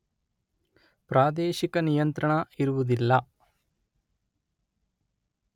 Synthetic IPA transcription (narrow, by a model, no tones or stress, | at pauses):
pɾaːd̪eːʃikɐnijɐnt̪ɾɐɳɐiɾuʋud̪ilːɐ